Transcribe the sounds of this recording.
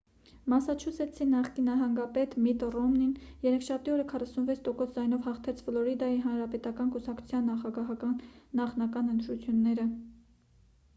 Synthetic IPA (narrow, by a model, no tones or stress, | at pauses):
mɑsɑt͡ʃʰusʰɛt͡sʰinːɑχkinːɑɦɑŋɡɑpɛt̪mit̪rɔmninjɛɾɛkʰʃɑt̪iɔɾəkʰɑrɑsunvɛt͡sʰt̪ɔkɔsd͡zɑjnɔvhɑχt̪ʰɛt͡sʰflɔɾid̪ɑjiɦɑnɾɑpɛt̪ɑkɑnkusɑkt͡sʰu̥t͡sʰjɑnːɑχɑɡɑɦɑkɑnːɑχnɑkɑnənt̪ɾut͡sʰjunːɛɾə